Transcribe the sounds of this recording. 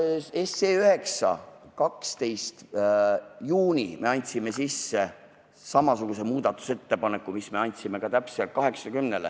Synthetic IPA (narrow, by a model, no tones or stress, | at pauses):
esːeːyɦhe̞ksɑ̰kɑkst̪e̞jst̪ | juːnʲime̞ɑnʲt̪ʲsime̞sisːe | sɑmɑsuɡ̥use̞muːd̪̥ɑt̪ːˑu̥se̞t̪ːe̞pɑne̞kːumisme̞ɑnʲt̪ʲsime̞kɑt̪æpselt̪̚kɑɦe̞ksɑkymnelḛ